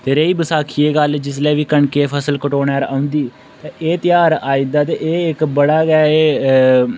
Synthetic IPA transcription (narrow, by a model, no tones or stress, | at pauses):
t̪eːɾeiːbəsaːkʰiːeːɡəld͡ʒɪsleːʋiːkəɳkeːpʰəsəlkəʈoːnɛːɾãːʊ̃nd̪iː | t̪ẽːeːt̪ɪjaːɾaːid̪aːt̪eːʔeːɪkbəɽaːɡɛːeː